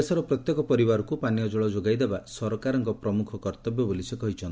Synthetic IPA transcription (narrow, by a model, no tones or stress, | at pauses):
esɔɾɔpɾɔt̪jɔkɔpɔɾibaɾɔkupanjɔd͡ʒɔɭɔd͡ʒoɡajd̪ebasɔɾɔkaɾɔŋkɔpɾɔmukʰɔkɔɾt̪ɔbjɔbolisikɔɦit͡ʃʰɔnt̪i